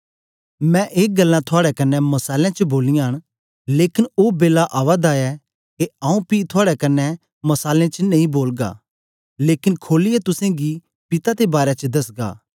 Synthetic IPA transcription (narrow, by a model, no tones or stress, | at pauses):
mɛ̃ʔeːk̚ɡɐlːãt̪ʰʊaːɽɛkɐnːɛmɐsaːljãt͡ʃəboːlɪjãɦɐɽ̃ | leːkɪnoːbeːlaʔaːʋad̪aːɛ | keaːũpit̪ʰʊaːɽɛkɐnːɛ | mɐsaːlẽt͡ʃənɐ̃ĩboːlɡa̰ | leːkɪnkʰoːlɪjɛt̪ʊsẽɡi | pɪt̪at̪ebaːɾɛt͡ʃəd̪ɐsɡa̰ː